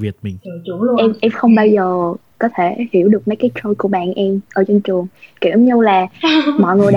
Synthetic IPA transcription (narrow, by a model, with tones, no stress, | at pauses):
vi˨˩ət̚m˨˩ŋ˨t͡ɕu˧˦˧ɛ˧mʔɛ˧mxə˧wŋ͡mɓaː˧wzəː˨˩kɔ˨˦t̪ʰe˧˩hi˧˩əwɗɨ˨˩ək̚mə˨˦jkaː˨˦jt͡ɕo˧jku˧˩əɓa̰ː˧˨nʔɛ˧mʔəː˧˩˦t͡ɕɔ˧nt͡ɕɨ˨˩əŋki˧˩mɲɨ˧laː˨˩mɔ̰˧˨ŋɨ˨˩əjɗ